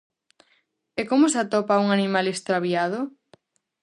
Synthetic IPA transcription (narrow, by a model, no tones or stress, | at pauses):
ekomʊsat̪ɔpauŋanimalest̪ɾaβjað̞o